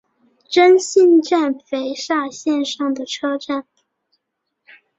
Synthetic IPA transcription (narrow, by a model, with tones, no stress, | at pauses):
ʈ͡ʂə˥nɕi˥˧nʈ͡ʂa˥˩nfe˧˥ɪʂa˥˧ɕjɛ˥˧nʂɑ˥˩ŋd̪ə˩ʈ͡ʂʰɤ˥ʈ͡ʂa˥˩n